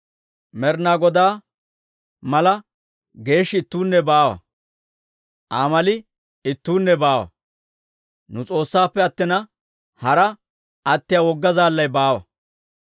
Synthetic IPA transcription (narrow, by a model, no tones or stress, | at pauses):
mɛɾnaːɡɔd̪aː | mɐlɐ | ɡe̞ːʃːɪɪt̪ːuːnːɛbaːwɐ̰ | ʔaːmɐlɪ | ɪt̪ːuːnːɛbaːwɐ̰ | nʊt͡sʼo̞ːsːaːpːɛɐt̪ːɪnɐ | hɐɾɐ | ʔɐt̪ːɪjawɔɡːɐzaːlːɐjbaːwɐ̰